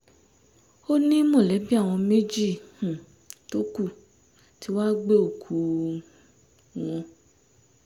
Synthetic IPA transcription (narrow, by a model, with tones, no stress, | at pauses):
o˦nĩ˦mõ˦˨lɛ˨˦bi˦a˦˨w̃ɔ̃˧me˦d͡ʒi˦˨hũ˨ | to˦ku˦˨ | ti˨˦wa˦ɡ͡be˦o˦˨kʰu˨ | w̃ɔ̃˧